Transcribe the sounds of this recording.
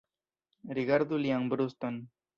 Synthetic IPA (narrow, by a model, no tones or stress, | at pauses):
ɾiɡaɾd̪uliaŋbɾust̪on